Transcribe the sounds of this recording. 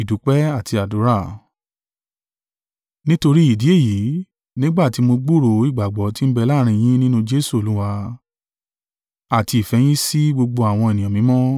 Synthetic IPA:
i˨du˨˦k͡pɛ˦a˦˨tʰi˧a˨du˨˦ɾa˦˨ | nĩ˦to˧ɾi˦i˦˨di˨˦e˦˨ji˨˦ | nĩ˦ɡ͡ba˦˨ti˨˧˦mo˧ɡ͡bu˦ɾo˨˦i˦˨ɡ͡ba˨ɡ͡bɔ˨˦ti˦n̩˦bɛ˧la˦ɾ̃ĩ˧j̃ĩ˦nĩ˦nũ˧d͡ʒe˦su˦˨o˨˦lũ˦wa˧ | a˨ti˧i˨fɛ˨˦j̃ĩ˦si˦ɡ͡bo˧ɡ͡bo˧a˨w̃ɔ̃˧e˨nĩ˨ã˨mĩ˨˦mɔ̃˦

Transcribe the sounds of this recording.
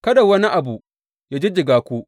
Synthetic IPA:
kɐ˦da˨wɐ˦ni˦ʔa˨buː˨ | jaː˦d͡ʒi˦d͡ʒɪ˨ɡaː˨kʷuː˦

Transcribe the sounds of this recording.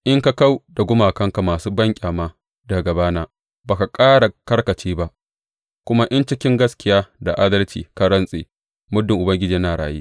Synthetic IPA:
ʔɪ˦ŋka˦ka˦wda˨ɡʷʊ˦maː˨kɐ˦ŋka˨maː˨suː˦bɐ˦ŋkʲʼaː˨maː˦ | dɐ˨ɡɐ˨baː˦naː˦ | baː˨ka˨kʼaː˦ɽa˨kɐ˦rkɐ˨t͡ʃiː˦ba˦ʔ | kʷʊ˦ma˦ʔɪ˦nt͡ʃɪ˦kʲɪ˦ŋɡɐ˦skʲɪ˨jaː˦da˨ʔa˦dɐ˦lt͡ʃḭː˨ka˦ɽɐ˦nsʼḛː˨ | mʊ˦dːɪ˨ŋʔʊ˨bɐ˦ŋɡʲɪ˦d͡ʒiː˨˦naː˨ɽaː˨jḭː˦

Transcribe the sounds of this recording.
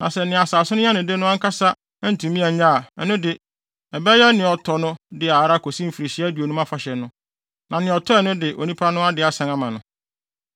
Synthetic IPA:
nã̰˨sɛ˨nɪ̃˨a˨saː˨sʊ˦nʊ̃˦ã˦nʊ̃˨de˦nʊ̃˦ã˦ŋ̩˦kʰa˦sa˦ | n̩˨tʰũ˨mĩ˦a˨ɲa˦˨ɛ˨˦nʊ̃˦dɪ˨ | ɛ˨bɛ˦jɛ˦nɪ̃˨ɔ˨tʰɔ˨nʊ̃˦dɪ˨a˨ɾa˦kʰo˨sĩ˦m̩˨fi˨ɾi˨ɕi˦æ˦du˨o˨nũ˦mã˦fa˨ɕɛ˨nʊ̃˦ | nã˨nɪ̃˨ɔ˨tʰɔ˦ɛ˨˦nʊ̃˦dɪ˨ʔo̰˨nĩ˦pʰa˦nʊ̃˦a˦dɪ˨˦a˨sã˨ŋã˦mã˨nʊ̃˨

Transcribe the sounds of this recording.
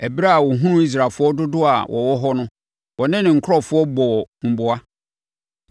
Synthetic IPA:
æ˨bi˦ɾa˦a˨wɔ˨ɦũ˦ʊ̃˦i˦s̬ɾa˨fʊ˦ɔ˦dʊ˦dʊ˦a˨wʔɔ̰˨wɔ˦ɦɔ˦nʊ̃˦ | wɔ˨nɪ̃˦nɪ̃˨ŋ̩˨kʰɔ˦fʊ˦ɔ˦bɔ˨m̩˨bʊ˨a˦

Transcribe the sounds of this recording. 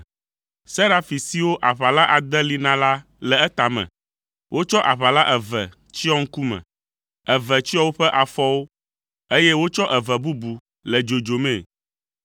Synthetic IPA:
sɛ˦ɾa˨fi˨si˦wo˦ʔa˨ɸa˨la˦ʔa˨d̪ɛ˦li˦nã˦la˦ | lɛ˨ɛ˦t̪a˨mɛ̰̃˨ | wʔo˦t͡ʃɔ˦ʔa˨βa˨la˦ʔɛ˨vɛ̰˨ | t͡ɕi˦ɔ˦ŋ̩˦ku˦mɛ̰̃˨ | ɛ˨vɛ˨t͡ɕi˦ɔ˦wo˦ɸɛ˦ʔa˨fɔ˦wo˦ | e˦jɛ˦wo˦t͡ʃɔ˦ʔɛ˨vɛ˨bu˦bu˨ | lɛ˨d͡ʒo˨d͡ʒo˨mɛ̃˨

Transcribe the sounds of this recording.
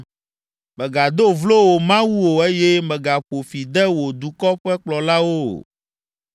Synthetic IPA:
mɛ̃˨ɡa˨d̪o˦vlo˦wo˨mã˦wu˦wo˨e˦jɛ˦mɛ̃˨ɡa˨ɸo˨fi˨d̪ɛ˦wo˨d̪u˨kɔ˦ɸɛ˦k͡plɔ˨la˦wo̰˦˨

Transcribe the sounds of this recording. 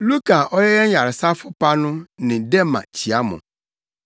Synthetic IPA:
lu˦kʰa˨ʔɔ˦jɛ˦jɛ˦ɲ˦ja˨ɾɪ˨sa˦fʊ˦pa˦nʊ̃˦nɪ̃˨dɛ˦mã̰˨t͡ɕʰi˨a˦mʊ̰̃˨

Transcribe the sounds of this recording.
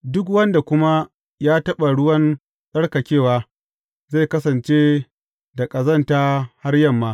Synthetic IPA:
dʊ˦kwɐ˦nda˨kʷʊ˦ma˦ | jaː˦tɐ˦ɓa˨ɽʊ˦wɐ˦n | ɗɐ˦ɽkɐ˨kʲeː˦˨waː˦ | za˦˨kɐ˦sɐ˨nt͡ʃeː˦ | da˨kʼɐ˨zɐ˦ntaː˦ha˦rjɐ˦mːaː˦

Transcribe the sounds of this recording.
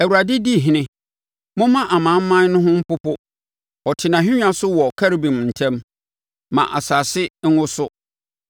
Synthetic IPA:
æ˨wu˨ɾa˨dɪ˦di˦˨ɦɪ̃˨nɪ̃˦ | mʊ̃˦mã˦ʔa˨mã˨˦m̩˦mã˦n˦nʊ̃˦ɦʊ̃˦m̩˦pʊ˦pʊ˦ | ɔ˨tʰɪ˨nã˨ɦᶣɪ̃˦ɲᶣ˦ã˦sʊ˦wɔ˨kʰa˦ɾbĩ˨m˨n̩˨tʰɛ̃˦m | mã̰˨ʔa̰˨saː˨sɪ˦ŋ̩˦ŋʊ̃˦sʊ˦

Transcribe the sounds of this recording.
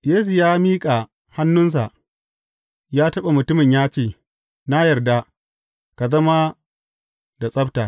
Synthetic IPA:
jeː˦su˨jaː˦miː˦kʼa˨ | ha˦nːʊ˦ns̬a˨ʔ | jaː˦tɐ˦ɓa˨mʊ˨tʊ˦mɪ˨ɲjaː˦t͡ʃeː˦˨ | na˦jɐ˨rda˦ | ka˨zɐ˦ma˦ | da˨sʼɐ˦btaː˨

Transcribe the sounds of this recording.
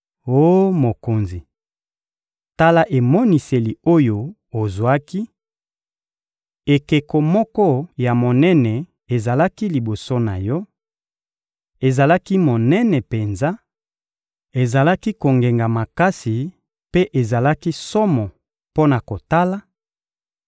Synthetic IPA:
o˦mo˨ko˨nzi˨ | ta˦la˦ʔe˨mɔ˦ni˨se˨li˨o˦jo˨ | o˨zwa˦ki˦ | e˨ke˨ko˨mɔ˦kɔ˦ja˨mo˨nɛ˦nɛ˨ | e˨za˨la˦ki˦li˨bo˨so˦na˨jɔ˦ | e˨za˨la˦ki˦mo˨nɛ˦nɛ˨pe˨nza˦ | e˨za˨la˦ki˦ko˨ŋɡe˨ŋɡa˨ma˨ka˦si˨ | pe˦ʔe˨za˨la˦ki˦sɔ˦mɔ˨ | po˦na˨ko˨ta˦la˦

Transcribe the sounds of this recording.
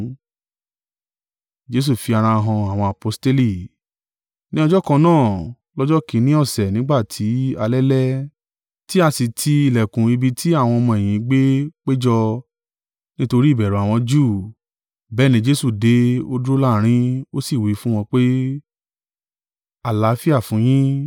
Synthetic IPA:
d͡ʒe˦s̬u˦˨fi˧a˧ɾ̃ã˧ɦɔ̃˧a˨w̃ɔ̃˧a˨po˧˦ste˦li˦˨ | nĩ˦ɔ˧d͡ʒɔ˦kã˧nãː˦˨ | lɔ˦d͡ʒɔ˦kĩ˨˦nĩ˦ɔ˦˨sɛ˨nĩ˨˦ɡ͡ba˦˨tʰi˨˦a˧lɛ˦lɛ˦ | ti˦a˧si˨tʰi˧i˨lɛ˨kũ˨i˧bi˧tʰi˦a˦˨w̃ɔ̃˧ɔ˧mɔ̃˧e˨j̃ĩ˨ɡ͡be˦k͡pe˦d͡ʒɔ˧ | nĩ˦to˧ɾi˦˨bɛ˨ɾũ˨˦a˨w̃ɔ̃˧d͡ʒuː˦˨ | bɛː˦˨nĩ˧˦d͡ʒe˦su˦˨de˨˦o˦du˦o˦la˦˨ɾ̃ĩ˦o˦si˦˨wi˨˦fũ˦w̃ɔ̃˧k͡pe˦ | a˨la˨˦fi˦a˦˨fũ˨˦j̃ĩ˦

